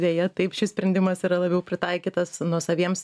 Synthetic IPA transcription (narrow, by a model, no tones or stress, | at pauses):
d̪ʲeːjɛt̪ɐɪpʃʲɪsʲpʲɾʲɛnʲd̪ʲɪmɐsiːɾɐlˠɐbʲɛʊpʲɾʲɪt̪ɐɪkʲiːt̪ɐsnuɔsɐʋʲiɛms